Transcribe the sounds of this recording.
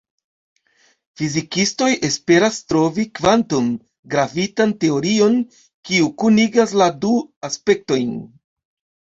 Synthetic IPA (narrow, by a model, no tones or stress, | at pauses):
fizikisto̞jʔe̞spe̞ɾastɾo̞vikvantum | ɡɾavitante̞o̞ɾio̞n | kiukuniɡasladuaspe̞k̚to̞jn